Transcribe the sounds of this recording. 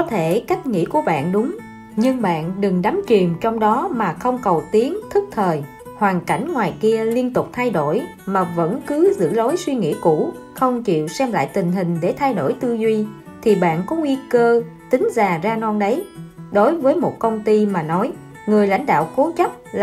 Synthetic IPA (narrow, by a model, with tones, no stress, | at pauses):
kɔ˨˦t̪ʰe˧˩ka˦˥jk̚ŋḭ˧˥ku˧˩əɓa̰ː˧˨nɗʊ˨˦ŋ͡m | ɲɨ˧ŋɓa̰ː˧˨nɗɨ˨˩ŋɗa˨˦mt͡ɕwi˨˩əmt͡ɕɔ˧wŋ͡mɗɔ˨˦maː˨˩xə˧wŋ͡mkə˨˩wt̪i˨˦ənt̪ʰɨ˦˥k̚t̪ʰəː˨˩j | hwaː˨˩ŋka˧˩jŋ̟ŋwaː˨˩jki˧əli˧ənt̪ʊ˨˩k͡p̚t̪ʰa˧jɗo˧˩j | maː˨˩və̰˧˥nkɨ˨˦zɨ̰˧˥lo˨˦jswi˧ŋḭ˧˥kṵ˧˩˥ | xə˧wŋ͡mt͡ɕḭ˧˨wsɛ˧mla̰ː˧˨jt̪ï˨˩ŋ̟ɦï˨˩ŋ̟ɗe˧˩t̪ʰa˧jɗo̰˧˩jt̪ɨ˧zwi˧ | t̪ʰi˨˩ɓa̰ː˧˨nkɔ˨˦ŋwi˧kəː˧t̪ï˨˦ŋ̟zaː˨˩zaː˧nɔ˧nɗə˨˦jɗo˨˦jvəː˨˦jmo˨˩t̚kə˧wŋ͡mt̪i˧maː˨˩nɔ˨˦j | ŋɨ˨˩əjla̰˧˥jŋ̟ɗa̰ː˧˨wko˨˦t͡ɕə˦˥p̚l